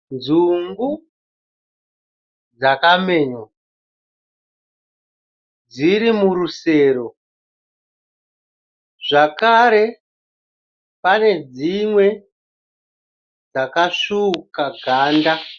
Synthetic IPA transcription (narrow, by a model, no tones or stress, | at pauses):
nd͡zuŋɡu | d͡zakame̞ːɲo | d͡ziɾimuɾuse̞ːɾo̞ | ʐ̥akaɾe̞ | pane̞d͡zimwe̞ | d͡zakaʂukaɡʱaːnda